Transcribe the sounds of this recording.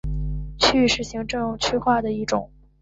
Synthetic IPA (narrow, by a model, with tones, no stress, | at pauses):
t͡ɕʰy˥˧ʂɻ̩˥˩ɕi˧˥ŋʈ͡ʂɤ˥˧ŋ˥˩t͡ɕʰy˥˧xwa˥˩d̪ə˩i˥˩ʈ͡ʂʊ̰˨˩˦ŋ